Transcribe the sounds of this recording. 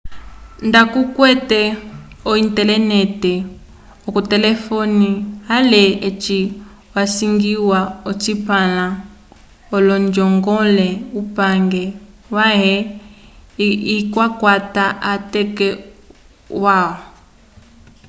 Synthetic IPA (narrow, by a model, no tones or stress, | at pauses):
ndakukwɛtɛ | ɔintɛlɛnɛtɛ | ɔkutɛlɛfɔnialɛet͡ʃi | wasiŋɡiwaɔt͡ʃipala | ɔlɔnd͡ʒɔŋɡɔlɛupaŋɡɛ | waɦɛ | ikwakwataatɛkɛ | waɔ